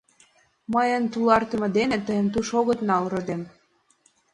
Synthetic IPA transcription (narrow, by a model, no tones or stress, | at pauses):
məjə̆nt̪ulɑrt̪ə̆mɤ̆d̪enĕt̪əjə̆nt̪uʃoɣə̆t̪nɑlrɤ̆d̪em